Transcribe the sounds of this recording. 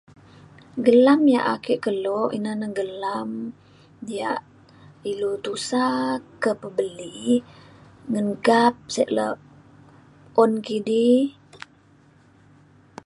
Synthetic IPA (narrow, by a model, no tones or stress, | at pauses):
ɡəlamja̰ʔa̰keʔkəloʔinanaɡəlam | jaʔ | ilut̪usakəpəbəli | ŋənɡap̚sɛʔlə̰ | onkidi